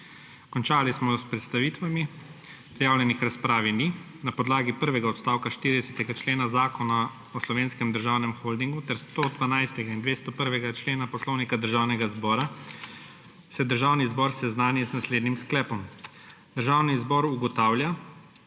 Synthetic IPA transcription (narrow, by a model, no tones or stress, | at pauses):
kɔnt͡ʃaːlismɔspɾɛt̪st̪aʋiːt̪ʋami | pɾijaːwlʲjɛnixɾaspɾaːʋini | napɔd̪laːɡipəɾʋɛɡaɔt̪st̪aːwkaʃt̪iɾid̪ɛsɛt̪ɛɡat͡ʃleːnazaːkɔna | ɔslɔʋeːnskɛmd̪əɾʒaːwnɛmxold̪iŋɡut̪ɛɾst̪od̪ʋanajst̪ɛɡaind̪ʋeːst̪ɔpəɾʋɛɡat͡ʃleːnapɔslɔːwnikad̪əɾʒaːwnɛɡazbɔːɾa | sɛd̪əɾʒawnizbɔːɾsɛznaːnjɛznasleːd̪nimsklɛːpɔm | d̪̥əɾʒaːwnizbɔːɾuɡɔt̪aːwlja